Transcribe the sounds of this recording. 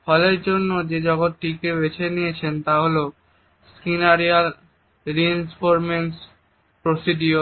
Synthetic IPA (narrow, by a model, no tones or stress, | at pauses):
fʰɔleɾd͡ʑonːod͡ʑed͡ʑɔɡot̪ʈikebet͡ɕʰenijet͡ɕʰent̪aɦolo | skinaɾial | ɾiinfoɾmens | pɾosiɖio